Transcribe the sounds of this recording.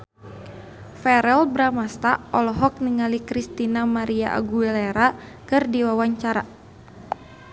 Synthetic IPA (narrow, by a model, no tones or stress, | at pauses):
fɛɾɛlbɾamast̪aʔɔlɔɦɔk̚niŋalikɾist̪inamaɾiaʔa̰ɡuɛlɛɾakɨrdiwawaɲt͡ʃaɾa